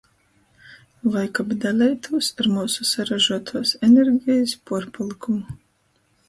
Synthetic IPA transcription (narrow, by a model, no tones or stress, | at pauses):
vˠajkabd̪alʲɛjt̪ʰuːsaɾmuːsusaɾaʒuɔt̪ʰuɔsɛnʲeɾɡʲijispuɔɾpɔlˠikumu